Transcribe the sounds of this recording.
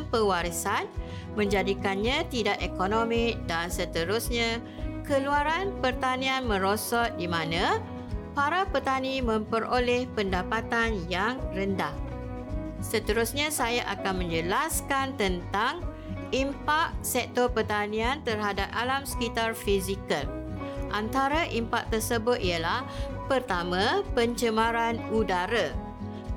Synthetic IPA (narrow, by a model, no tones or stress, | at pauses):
mpəwaɾisan | mə̃ɲd͡ʒadikanɲãt̪idaʔekonomɪk̚dansət̪əɾusɲã | kəluaɾanpərt̪anĩanmə̃ɾosɔt̪̚dimãnã | paɾapərt̪anĩmə̃mpəɾʔolɛhpəndapat̪anjaŋrəndah | sət̪əɾusɲãsajaʔakanmə̃ɲd͡ʒəlaskant̪ənt̪aŋ | impaʔ̚sɛk̚t̪ɔrpərt̪anĩant̪ərɦadap̚ʔalamsə̥kit̪arfizikəlʔant̪aɾaʔimpak̚t̪ərsəbʊt̪̚iəlahpərt̪amãpəɲt͡ʃəmãɾanudaɾa